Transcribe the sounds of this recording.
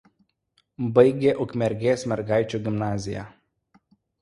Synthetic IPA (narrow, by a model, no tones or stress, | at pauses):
bɐjɡʲɛʔɔkmʲɛɾɡʲɛːsmʲɛɾɡaːjt͡ʃɔɡʲɪmnaːzʲɪja̰